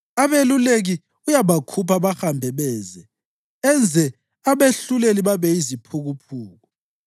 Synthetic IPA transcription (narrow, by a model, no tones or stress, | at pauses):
aβeluleɣi | ujaβakʰupʰaβaxambʱɛβɛːzɛ | ɛnd͡zʱɛ | aβeɬuleliβaβɛizipʰuɣupʰuːɣɔ